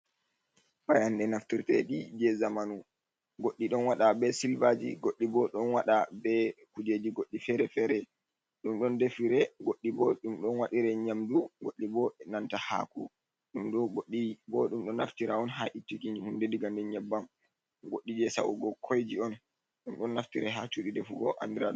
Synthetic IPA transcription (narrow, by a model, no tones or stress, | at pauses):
pajanɗɛnaftiɾtɛ̰ɗid͡ʒɛzamanu | ɡoɗːiɗɔnwaɗabɛsilvad͡ʒḭɡoɗːibɔɗɔnwaɗabɛkud͡ʒed͡ʒiɡoɗːifɛɾɛfɛɾɛ | ɗumɗɔndefiɾɛɡoɗːibɔɗumɗɔnwaɗiɾɛɲamduɡoɗːibɔnantaha̰ku | ɗumɗɔɡoɗːibɔɗumɗɔnaftiɾaɔnɦaʔitːikind͡ʒihundɛdiɡandɛɲɛbːam | ɡoɗːid͡ʒɛsa̰wṵɡɔkʰojd͡ʒiɔn | ɗumɗɔnːaftiɾɛɦat͡ʃuɗidɛfuɡɔʔa̰ndiɾaɗ